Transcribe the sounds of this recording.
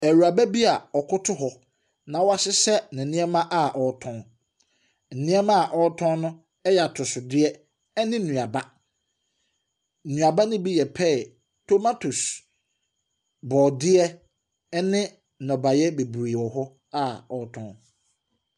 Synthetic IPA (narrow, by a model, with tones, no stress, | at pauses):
æ˨ɾu˨a˨bæ˦bi˦a˨ɔ˨kʰʊ˦tʰʊ˦ɦɔ˨ | nã˨wɔ˦a˨sɪ˦sɛ˦nɪ̃˨nĩ˦ɛ˦mã˦ʔa˨ʔɔ˨˦tʰɔ̃˦n | n̩˨nĩ˦ɛ˦mã˦a˨ʔɔ˦tʰɔ̃˦nnʊ̃˦ | ɛ˦ja˨tʰʊ˨sʊ˨dɪ˦ɛ˦ | ɛ˦nɪ̃˦nũ˨a˨ba˦˨ | nũ˨a˨ba˦nʊ̃˦bi˦jɛ˨pʰɛ˦˨ | tʰo˦ma˦tʰu˨s | bɔː˨dɪ˦ɛ˦ | ɛ˦nɪ̃˦˨ | nɔ̃˨ba˨jɛ˦be˨bɾi˨wɔ˨ɦɔ˦ | a˦ɔ˨˦tʰɔ̃˦n